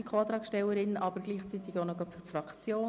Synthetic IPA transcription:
ikʰoːt̪ɾɑːkʃtɛwəɾɪnʔɑbəɾɡliːχt͡sit̪ɪɡonɔɡœpfyfrɑkt͡sjoː

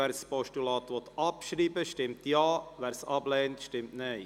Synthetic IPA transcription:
æːɾspɔʃtulɑːt̪ʋɔt̪ɑpʃɾiːbəʃtɪmt̪jɑːvæːɾsɑblɛːntʃtɪmtne

